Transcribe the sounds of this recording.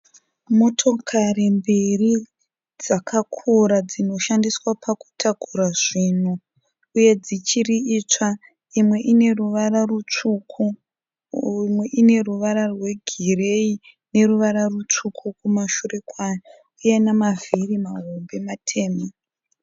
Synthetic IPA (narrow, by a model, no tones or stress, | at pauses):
mo̞tʰo̞kʰarimbiri | d͡zakʰakʰuɾad͡zino̞ʃandiswapʰaku̥tʰaɡʱuɾaʐin̤u | uje̞d͡zit͡ʃiriit͡ʂa | imwe̞ʔine̞ruʋararut͡ʂukʰu | mwe̞ʔine̞ruʋaɾarwe̞ɡʱire̞i | ne̞ɾuʋaɾarut͡ʂukʰukumaʃure̞kwa | ujenamavirimaɦombe̞matʰe̞ːmo